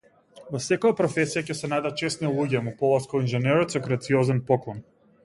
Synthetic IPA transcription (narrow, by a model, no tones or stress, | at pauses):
vɔsɛkɔjapɾɔfɛsijacɛsɛnad̪at̪̚t͡ʃɛsnilˠuɟɛmupɔlˠaskɔinʒɛnɛɾɔt̪sɔɡɾat̪siɔzɛnpɔklˠɔn